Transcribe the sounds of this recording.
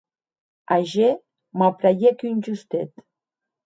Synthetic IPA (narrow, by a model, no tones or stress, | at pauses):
aʒe | mapɾajekynʲʒust̪et̪